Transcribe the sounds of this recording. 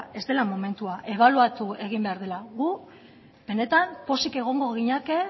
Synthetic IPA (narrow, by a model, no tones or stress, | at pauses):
e̞zd̪e̞lamo̞me̞nt̪uaʔe̞β̞aluat̪ue̞ɣ̞imbe̞aɾð̞e̞laɣu | be̞ne̞t̪ampo̞sike̞ɣ̞o̞ŋɡo̞ɣiɲake